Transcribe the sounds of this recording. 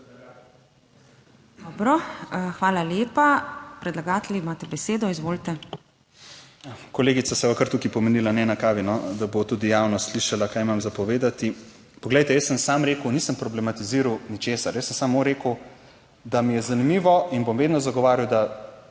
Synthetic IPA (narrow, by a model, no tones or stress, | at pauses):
d̪ɔːbɾɔxʋaːlaljeːpapɾɛd̪laɡaːt̪ɛlʲimaːt̪ɛbɛseːd̪ɔizʋoːlt̪ɛ | kɔleːɡit̪sasɛʋakɐɾt̪ukipɔmɛnilanɛnakaːʋinɔd̪abot̪ud̪ijaːwnɔsliʃalakaːjmamzapɔʋeːd̪at̪i | pɔɡlɛjt̪ɛjəsəmsamɾeːkəwniːsəmpɾɔblɛmat̪iziːɾɐwnit͡ʃeːsaɾjəsːəmsamːoɾeːkə | d̪amijɛzanimiːʋɔinbomʋeːd̪nɔzaɡɔʋaːɾjiwd̪a